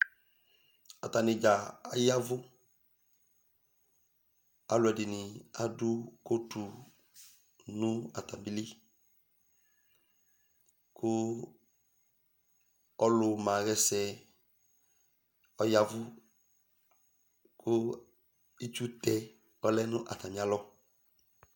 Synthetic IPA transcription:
ɔ˨ta˨nɪ̃˨d͡ʒa˨a˨ja˦vʊ˦ | a˨lʊ˨ɛ˨dɪ˨nɪ˨a˨dʊ˦ko˦tu˨ | nʊ̃˦a̰˨ta˨bi˦li˦ | kʰʊ˦ | ɔ˦lʊ˨mã˨ɣɛ˦sɛ˦ | ɔ˦ja˦vʊ˦ | kʰʊ˦ | i˦t͡ʃu˦tɛ˦ | ɔ˦lɛ˦nʊ̃˦ʔa˨ta˨mĩ˨˦a˦lɔ˦

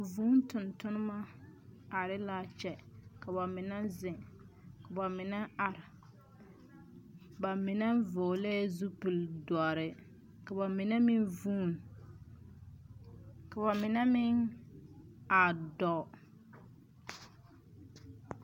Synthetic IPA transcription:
vuː˦n˦tʊ˨ntʊ˦nɪ˦ma˦a˨ɾɪ˦la˦t͡ʃɛ˨ka˨ba˨mɪ˨nɛ˦zɪ˨ŋ | ka˨ba˨mɪ˨nɛ˦a˨ɾɪ˨ | ba˨mɪ˨nɛ˦vʊː˨lɛː˦zu˦pɨ˨ldʊ˨a˨ɾɪ˨ | ka˨ba˨mɪ˨nɛ˦mɪ˦nvuː˦˨n | ka˨βa˨mɪ˨nɛ˦mɪ˦ŋ | a˨dɔ˨

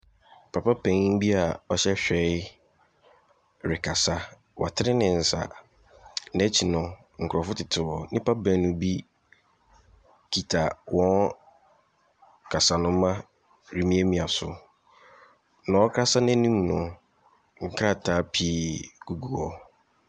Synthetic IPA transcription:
pʰa˨pa˦pʰɛ̃˨ŋ˦bi˦a˨ɔ˦ɕɛ˦ɕᶣɛ˨˦ | ɾɪ˨kʰa˨sa˦ | wʔa̰˨tʰɪ˦ɾɪ˦nɪ̃˨n̩˨sa̰˨ | nɛ˦t͡ɕʰi˨nʊ̃˦ | ŋ̩˨kʰɾɔ˨fʊ˦tʰɪ˨tʰɪ˨wɔ˨nɪ̃˦pa˦bɛ̃˨˦nʊ̃˦bi˦ | kʰi˨tʰa˨wɔ̃˦n | kʰa˨sa˨nʊ̃˦mã˦ | ɾi˨mĩ˦e˦mĩ˨a˨sʊ̰˨ | nã˨˦ɔ˦kʰɾa˦sa˦nɛ̃˦nĩ˦m˨nʊ̃˨ | ŋ̩˦kʰɾa˦˨tʰaː˨˦pʰi˦ɡ̥u˨ɡu˨ɔ˦

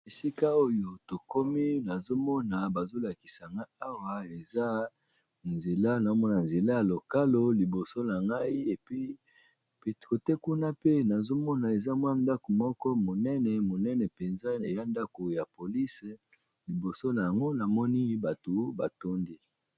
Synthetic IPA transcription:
e˨si˦ka˦o˦jo˨to˨ko˦mi˦na˨zo˦mɔ˦na˨ba˨zo˦la˨ki̥˨sa˨ŋɡa˦a˦wa˨e˨za˦ | nze˨la˦na˨o˦mɔ˦na˨nze˨la˦ja˨lo˨ka˦lo˦li˨bo˨so˦na˨ŋɡa˦i˦e˨pi˦ | pko˨tɛ˦ku˦na˦pe˦na˨zo˦mɔ˦na˨e˨za˦mwa˦nda˦ko˨mɔ˦kɔ˦mo˨nɛ˦nɛ˨mo˨nɛ˦nɛ˨pe˨nza˦˨ja˦nda˦ko˨ja˨po˨li˦s | li˨bo˨so˦na˨ja˨ŋɡo˦na˨mɔ˦ni˦ba˨to˨ba˨to˦ndi˦

